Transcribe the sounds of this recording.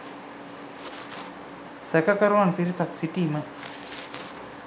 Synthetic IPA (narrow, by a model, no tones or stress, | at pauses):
sɛkɐkɐɾuʋanpiɾisɐksiʈiːmə